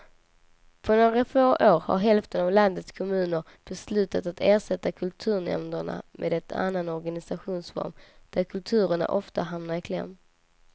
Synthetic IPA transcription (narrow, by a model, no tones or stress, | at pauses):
pʰɔɳoːɡɾafoːʔoːɾha̰ɾɦɛlft̪ənavland̪ət̪skʰɔmʉ̟ːnəɾ | b̥ɛslʉ̟ːt̪at̪at̪eːʂɛt̪ːakʰɵlt̪ʰʉ̟ːɾɳɛ̰mnd̪əɳa̰mʔeːd̪ɛt̪ʰa̰nːanɔɾɡanɪsaɧuːnsvɔ̰ɾmd̪̥æɾkʰɵlt̪ʰʉ̟ːɾəɳa̰ʔɔft̪aɦamnaɾɪkʰlɛ̰m